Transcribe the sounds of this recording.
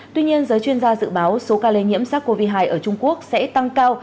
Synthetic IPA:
t̪wi˧ɲi˧ənzəː˨˦jt͡ɕwi˧ənzaː˧zɨ̰˧˨ɓaː˨˦wso˨˦kaː˧le˧ɲḭ˧˥əmsaː˦˥t̚kːo˧vi˧ɦaː˧jʔəː˧˩t͡ɕʊ˧ŋ͡mku˦˥ək̚sɛ̰˧˥t̪a˧ŋkaː˧w

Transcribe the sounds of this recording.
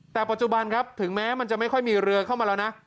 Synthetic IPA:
t̪ɛː˨˩pa˨˩t͡ɕu˨˩ba˧nkʰa˦˥p̚t̪ʰɯ˩˦ŋmɛː˦˥ma˧nt͡ɕa˨˩ʔma˥˩jkʰɔ˥˩jmiː˧ɾɯ˧əɐkʰa˥˩wmaː˧lɛː˦˥wna˦˥

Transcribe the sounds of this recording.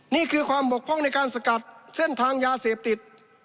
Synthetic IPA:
niː˥˩kʰɯː˧kʰwaː˧mbo˨˩k̚ʰɔ˥˩ŋna˧jkaː˧nsa˧ka˨˩t̪̚se˥˩nt̪ʰaː˧ŋjaː˧seː˨˩p̚t̪i˨˩t̪̚

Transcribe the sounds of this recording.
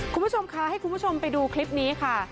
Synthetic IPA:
kʰu˧mbt͡ɕʰo˧mkʰa˦˥ha˥˩jku˧nbʰu˦˥˩o˧mpa˧jduː˧kʰli˦˥p̚niː˦˥kʰa˥˩

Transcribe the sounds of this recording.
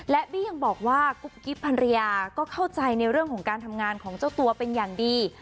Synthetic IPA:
lɛ˦˥ʔbiː˥˩ja˧ŋbɔː˨˩k̚waː˥˩ku˨˦˩p̚ki˦˥pʰːa˧nɾi˧jaː˧kɔː˥˩kʰa˥˩wt͡ɕa˧jna˧jɾɯ˥˩əŋkʰɔː˩˦ŋkaː˧nt̪ʰa˧mŋaː˧nkʰɔː˩˦ŋt͡ɕa˥˩wt̪u˧ɐpe˧njaː˨˩ŋdiː˧

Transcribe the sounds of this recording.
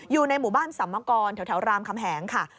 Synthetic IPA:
juː˨˩na˧jmuː˨˩baː˥˩nsa˨˩˦mːa˧kɔː˧nt̪ʰt̪ʰɛ˩˦wɾaː˧mkʰa˧mɦɛː˩˦ŋkʰa˥˩

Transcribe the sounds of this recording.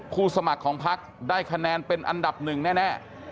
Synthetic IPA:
pʰuː˥˩sa˧ma˨˩kʰːɔː˩˦ŋpʰa˦˥k̚daː˥˩jkʰa˧nɛː˧npe˧nʔa̰˧nda˨˩p̚nɯ˨˩ŋnɛː˥˩nɛː˥˩

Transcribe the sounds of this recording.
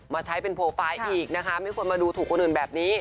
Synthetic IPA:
maː˧t͡ɕʰa˦˥jpe˧npʰoː˧faː˧jʔiː˨˩k̚na˦˥kʰa˦˥ma˥˩jkʰu˧ənmaː˧duː˧t̪ʰuː˨˩kʰːo˧nʔɯː˨˩nbɛː˨˩p̚niː˦˥

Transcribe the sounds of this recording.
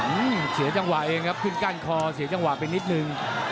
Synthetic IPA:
ʔɯː˧˩msi˨˩˦t͡ɕa˧ŋwa˨˩ʔeː˧ŋkʰa˦˥p̚kʰɯ˥˩nkaː˥˩nkʰɔː˧si˨˩˦t͡ɕa˧ŋwa˨˩pe˧nːi˦˥t̪̚nɯ˧ŋ

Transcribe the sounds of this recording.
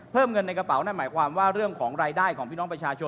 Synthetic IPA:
pʰɤː˥˩mŋɤ˧nːa˧jka˧pa˩˦wnaː˥˩maː˩˦jkʰwaː˧mwaː˥˩ɾɯ˥˩əŋkʰɔː˩˦ŋɾaː˧jdaː˥˩jkʰɔː˩˦pʰi˥˩ɔː˦˥pɾa˧t͡ɕʰaː˧t͡ɕʰo˧

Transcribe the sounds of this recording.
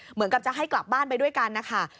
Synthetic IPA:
mɯ˩˦nka˨˩p̚t͡ɕa˨˩ɦa˥˩jkla˨˩p̚baː˥˩npa˧jdu˥˩əjka˧nːa˦˥kʰa˥˩

